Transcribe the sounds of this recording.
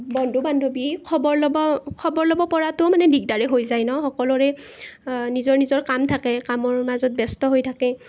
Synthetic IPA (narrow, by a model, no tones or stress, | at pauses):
bɔndʱubandʱobikʰɔbɔɹlɔbɔkʰɔbɔɹlɔbɔpɔɹatʊmanɛdik̚daɹɛɦojzajnɔxɔkɔlɔɹɛ | nizɔɹnizɔɹkamtʰakɛkamɔɹmazɔt̚bɛstɔɦojtʰakɛ